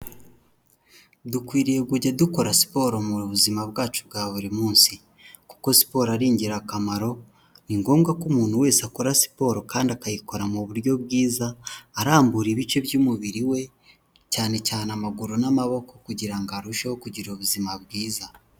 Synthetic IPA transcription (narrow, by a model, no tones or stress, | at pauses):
dukwiːɾije̞ɡuɟaduko̞ɾasi̥po̞ːɾomuβuzimaβɡaːt͡ʃubɡaːβuɾimuːnsi | ku̥ko̞si̥po̞ːɾaɾiːɲɟiɾakamaɾo̞ | niŋɡo̞ːmɡakumuːn̥huwe̞ːsako̞ɾasi̥po̞ːɾo̞kaːndiakajiko̞ɾamuβuɾjo̞βɡiːzaːɾaːmbuɾiβit͡ʃe̞bjuːmuβiɾiwe̞ | caːne̞caːnamaɡuɾunamaβo̞ko̞kuɟiɾaŋɡaɾuʃewokuɟiɾoβuzimaβɡiːza